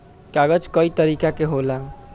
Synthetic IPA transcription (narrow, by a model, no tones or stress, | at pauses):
kaɡəd͡ʒkəit̪əɾikakeɦolaŋ